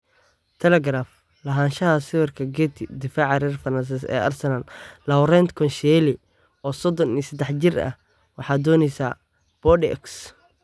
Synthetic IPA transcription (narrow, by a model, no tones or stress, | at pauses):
t̪ʰɛlɛɡɾaf | lɐɦaːnʃɐɦɐsɪwɪrkʰɐɡɛːt̪ʰɪd̪ɪfaːʕɑɾɛrfɐnɐns̬ɛsɛ̰ːʔɐ̰rsɐnɐllɐwɾɛnt̪kʰɔnʃɛlɪ | ɔːsɔd̪ɔniːsɛd̪ɛħt͡ʃɪrɐ̰h | wɑħɑːd̪ɔːnɛjsaː | b̥ɔdɛ̰ks